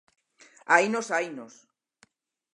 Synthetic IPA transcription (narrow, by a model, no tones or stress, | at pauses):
ajnosajnos